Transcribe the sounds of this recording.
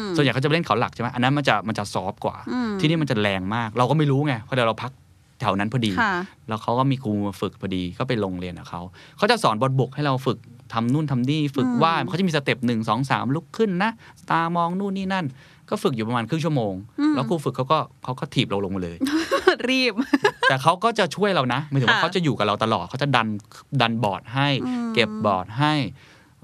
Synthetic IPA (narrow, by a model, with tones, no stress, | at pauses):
swnjkʰa˦˥t͡ɕa˨˩˧e˥˩ŋkʰa˩˦wla̰˨˩k̚t͡ɕʰːma˦˥ʔaː˧a˦˥nma˧nt͡ɕa˨˩ma˧nt͡ɕa˨˩sɔː˦˥p̚kwa̰ː˨˩t̪ʰiː˥˩˨iː˥˩m˧nt͡ɕa˨˩lɛː˧ŋmaː˥˩k̚ɾa˧wkɔː˥˩ma˥˩jɾuː˦˥ŋa˧˩pʰɔ˦˥˩dɾa˧wpʰa˦˥k̚ | t̪ʰɛ˨˩˦wna˦˥npʰɔː˧diː˧lɛ˦˥wkʰa˦˥wkɔː˥˩miː˧kʰuː˧fɯ˨˩k̚pʰɔː˧diː˧kɔː˥˩pa˧jlo˧ŋli˧ənʔa̰˨˩kʰa˦˥wkʰa˦˥wt͡ɕa˨˩sɔː˩˦nbɔ˧nbu˨˩k̚ha˥˩jɾa˧wfɯ˨˩k̚ | t̪ʰa˧mnuː˥˩nt̪ʰa˧mniː˥˩fɯ˨˩k̚waː˥˩˧t͡ɕa˨˩miː˧st̪e˨˩p̚nɯ˨˩ŋsɔː˩˦ŋsa̰ː˩˦mlu˦˥kʰːɯ˥˩nːa˦˥ʔst̪aː˧mɔː˧ŋnuː˥˩nːiː˥˩na˥˩n | kɔː˥˩fɯ˨˩k̚juː˨˩pɾmaː˧nkʰɯ˥˩ŋt͡ɕʰu˥˩əmoː˧ŋlɛ˦˥kʰuː˧fkʰːwkɔː˥˩kʰa˦˥wkɔː˥˩t̪ʰiː˨˩p̚lo˧ŋlo˧ŋmaː˧lɤ̰ː˧jɾiː˥˩p̚t̪ɛː˨˩kʰa˦˥wkɔː˥˩t͡ɕa˨˩t͡ɕʰu˥˩əjɾa˧wna˦˥ʔmm˧˩t̪ʰka˦˥t͡ɕa˨˩juː˨˩ka˨˩ɾa˧wt̪a˧lɔː˨˩t̪̚kʰa˦˥wt͡ɕa˨˩da˧nda˧nbɔ̰ː˨˩t̪̚ɦa˥˩jke˨˩p̚bɔː˨˩t̪̚ɦa˥˩j